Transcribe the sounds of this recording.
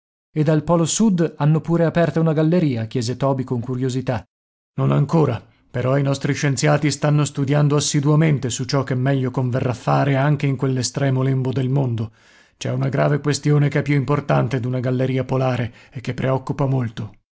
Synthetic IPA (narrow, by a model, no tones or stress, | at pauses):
ed̪alpɔːlosud̪anːopuːɾeapɛrt̪aunaɡalːeɾiːakjɛːzet̪ɔːbikoŋkuɾjozit̪a | nonaŋkoːɾa | peɾɔinɔst̪ɾiʃent̪sjaːt̪ist̪anːost̪ud̪jand̪oasːid̪uament̪esut͡ʃɔkːemːɛʎːokoɱverːafːaːɾeaŋk̟eiŋkwelːest̪ɾɛːmolembod̪elmond̪o | t͡ʃɛunaɡɾaːvekwest̪joːnekɛpːjuimport̪ant̪ed̪unaɡalːeɾiːapolaːɾeek̟ːepːɾeɔkːupamolt̪o